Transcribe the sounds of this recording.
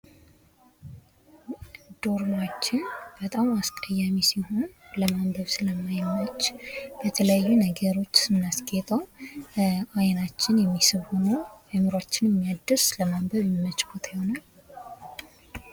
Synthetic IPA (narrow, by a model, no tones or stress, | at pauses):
d̪̥o̞ɾmat͡ʃːɪnb̥ət̪ʼamaskʼəjːamisiho̞nləmambəβsɨləmːajmːət͡ʃːb̥ət̪ʰələjajːunəɡəɾo̞t͡ʃːsɨnːaskʼet̪ʼəw | ajnat͡ʃːɪnjɛmːisɨβho̞nəwəmɨɾat͡ʃːɪnɛmːijad̪ːɨsləmambəβɛmːət͡ʃʼkʰot̪ʰjɪho̞nal